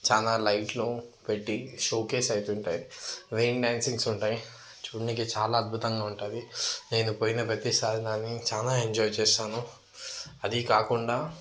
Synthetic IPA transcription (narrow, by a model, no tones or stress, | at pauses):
t͡ʃaːlaːlɐjʈlupeʈːiʃoːke̞ːsɐjt̪uɳʈaːjiʋeːnɖjaːnsiŋɡsuɳʈaːji | t͡ʃuːɽanikeːt͡ʃaːlaːɐd̪̚bʱut̪ɐŋɡaːuɳʈaːd̪ine̞ːnupoːjinɐpɾɐt̪isaːd̪ʱid̪aːnːit͡ʃaːlaːeɲd͡ʒɔːjt͡ʃɛːsaːnu | ɐd̪ikaːkuɳɖaː